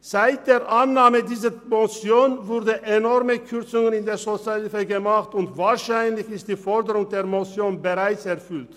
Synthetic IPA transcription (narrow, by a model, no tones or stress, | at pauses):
z̥aɪt̚d̥eːɐʔanːaːmədiːzəmɔsjoːnvʊʁdəʔenɔʁməkʰʏʁt͡sʊŋənɪndeːɐzot͡salfəɡəmaχtʊntvaːɐʃaɪnlɪçɪstd̥iːfɔɐdəʁʊŋdeːɐmɔsjoːnbəʁaɪt͡sɛɐfʏlt